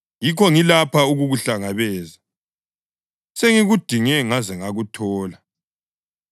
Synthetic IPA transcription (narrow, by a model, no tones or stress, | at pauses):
jikʰɔŋilapʰauɣuɣuɬaŋaβɛːza | seŋiɣud̥ʱiŋɛŋazɛŋaɣutʰɔːla